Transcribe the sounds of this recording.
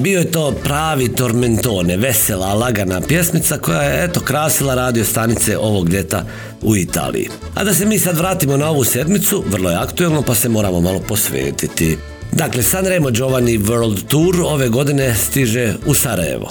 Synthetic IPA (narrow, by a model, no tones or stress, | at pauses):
bio̞je̞t̪o̞ːpɾaːʋit̪o̞ɾment̪o̞ːne̞ʋe̞selalˠaɡanapje̞smit̪sako̞jajeet̪o̞kɾaːsilaɾaːd̪io̞st̪anit̪se̞ʔo̞ʋo̞ɡlʲje̞t̪a̰ | uit̪a̰ːlḭjḭ | a̰d̪ase̞miːsad̪ʋɾaːt̪imo̞nao̞ʋuse̞d̪mit̪suʋər̩lˠo̞jeakt̪uelˠno̞pase̞mo̞ːɾaːmomalo̞po̞sʋḛːt̪it̪i | d̪aːkle̞sanɾemod͡ʒo̞ʋaniʋøɾld̪t̪uɾo̞ʋe̞ɡo̞d̪ine̞st̪iʒe̞usaɾa̰jḛʋo̰